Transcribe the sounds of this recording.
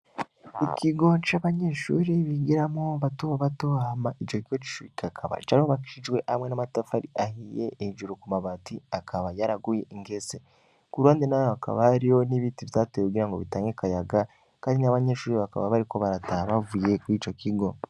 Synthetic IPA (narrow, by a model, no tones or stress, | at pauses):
ikiɡo̞t͡ʃaβaɲeʃṵːɾiβiɡiɾamoβatoββatoβahamaʔit͡ʃokiɡot͡ʃi̥ʃuikʰakʰaβa̰t͡ʃaɾihoβaki̥ʃid͡ʒwe̞ʔamwe̞namatafaɾiʔahije̞̰eid͡ʒuɾukumaβatiakʰaβajaɾaɡuje̞ʔiŋɡese | kuɾwaːndenaohakʰa̰βaaɾijo̞niβiːtiβtatojeuɡiɾaŋɡo̞βitaːŋɡekajaɡa | kaːndinaβaɲeːʃuːɾiβaka̰βaβaɾiko̞βaɾataβavuje̞kuiːt͡ʃo̞kiɡo̞